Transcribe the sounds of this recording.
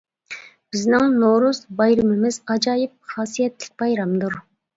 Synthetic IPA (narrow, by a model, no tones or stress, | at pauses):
b̥ɪznɪŋnoɾuzbɑjɾɨmɪmɪzɑd͡ʒɑːjɨp̚χɑːsijɛt̪lɪk̚ʲbɑjɾɑmd̪uɾ